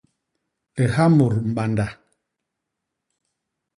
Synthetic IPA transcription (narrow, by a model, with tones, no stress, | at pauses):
ɛ˨ha˦mu˨ɾm̩˨ɓa˨nda˨